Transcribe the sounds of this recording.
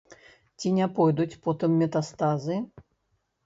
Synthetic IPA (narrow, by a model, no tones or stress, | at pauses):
t͡sʲinʲapɔjd̪ut͡sʲpɔt̪ɨmːʲɛt̪ast̪azɨ